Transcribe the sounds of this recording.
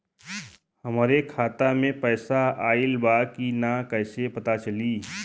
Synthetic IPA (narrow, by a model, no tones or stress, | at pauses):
həmɾekʰaːt̪amẽpɛːsaaːɪlbaːkinakəːsepət̪at͡ʃəliː